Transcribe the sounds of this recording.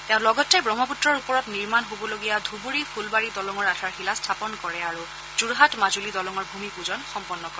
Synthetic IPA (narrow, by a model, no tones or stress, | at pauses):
teʊ̃nlɔɡɔtːejbɹɔmɔputɹɔɹupɔɹɔtniɹmanɦobɔloɡijad̪ʱubuɹipʰulbaɹidɔlɔŋɔɹatʰaɹxilastʰapɔnkɔɹɛaɹu | zuɹɦatmazulidɔlɔŋɔɹbʱumipuzɔnxɔmpɔnːɔkɔɹɛ